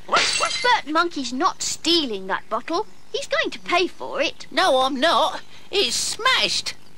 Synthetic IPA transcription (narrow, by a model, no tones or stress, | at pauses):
wʌwʌtb̥ɜ˞t̚mʌ̃ŋkʰiznətstilˠɪ̃ŋðə̰t̚b̥ʌɾl̩ˠ | hizɡoʊɪ̃ŋtʰəpʰeɪfə̰˞ɪt̚noʊãɪ̃mnət | ɪz̥smæʃt